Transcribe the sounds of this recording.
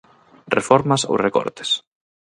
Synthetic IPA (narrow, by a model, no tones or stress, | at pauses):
refɔɾmɐso̰wrekɔ̰ɾt̪ɪ̥s